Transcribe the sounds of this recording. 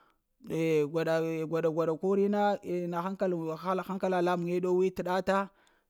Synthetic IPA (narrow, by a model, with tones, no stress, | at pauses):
e˨ɡʷa˨ɗa˨ɡʷa˨da˨ɡʷa˨ɗa˨ku˦ɾi˦na˦˨na˨xa˦ŋka˦lxa˦lxa˦ŋka˦la˨la˦m˨ŋe˦ɗo˦wi˦ti˨ɗa˦ta˦